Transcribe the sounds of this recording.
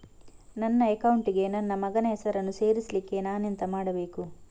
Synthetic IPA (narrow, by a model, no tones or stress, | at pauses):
nɐnːɐekɐwuɳʈiɡe̞nɐnːɐmɐɡɐnɐɦɛsɐɾɐnːuse̞ːɾislikːe̞naːnent̪ɐmaːɽɐbe̞ːku